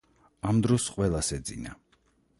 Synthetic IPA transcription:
amd̪ɾɔsqʼwɛlˠasɛd̪zḭna

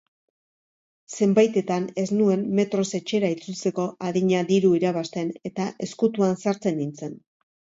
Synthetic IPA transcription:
se̞mbajt̪e̞t̪ane̞znue̞nːe̞t̪ɾo̞se̞t͡ʃe̞ɾait͡sult͡se̞ko̞aðiɲaðiɾuiɾaβ̞ast̪e̞ne̞t̪aʔe̞skut̪uansaɾt͡se̞nint͡se̞n

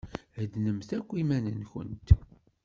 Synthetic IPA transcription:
d̪nəmθækʷːimænənçə̰nt̪

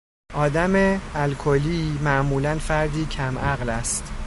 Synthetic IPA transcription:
ʔɒːd̪æmeælkʰoliːmæʔmuːlænfæɾd̪iːcʰæmʔæɣlæst̪

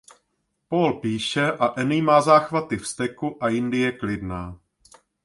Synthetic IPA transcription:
poːlpiːʃɛʔaʔɛnɪjmaːzaːxvat̪ɪfst̪ɛkuʔajɪndɪjɛklɪdnaː

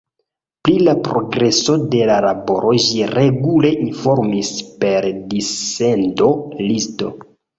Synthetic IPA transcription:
plilapɾoɡɾe̞so̞de̞lalabo̞ɾʔo̞ʒiɾe̞ɡule̞ʔinfo̞ɾmispe̞ɾdisendo̞listo̞̰

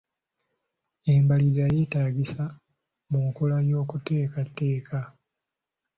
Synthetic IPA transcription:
e̞mbaliɾaje̞ːtaːɡisa | muŋkolajo̞ːkute̞ːkatːe̞ːkʰa

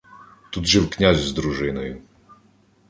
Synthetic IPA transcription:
t̪ud̪ʐɘwkɲʲaʑzd̪ɾuʐɘnɔj

